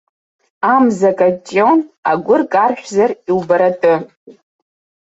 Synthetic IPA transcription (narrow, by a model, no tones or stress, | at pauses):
amzakʼat͡ʃʼonaɡʷʊrkʼarʃʷᶣzariwbaɾatʼɨ